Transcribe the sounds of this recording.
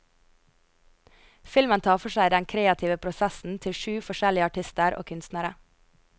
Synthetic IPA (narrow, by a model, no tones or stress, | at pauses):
fɪlmənt̪ʰɑːfɔʃæɪd̪ɛŋkʰɾeːɑt̪ʰɪʋəpʰɾʊsɛsn̩t̪ʰɪlʃʉːfɔʃɛlɪəɑʈʰɪst̪əɾʔo̰ːkʰʉnst̪næɾə